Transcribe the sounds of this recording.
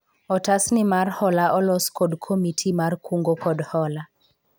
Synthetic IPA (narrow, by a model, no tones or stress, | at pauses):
ɔtasnɪmarhɔlaʔɔlɔskodkʰomitʰimarkʰuŋɡokɔdhɔla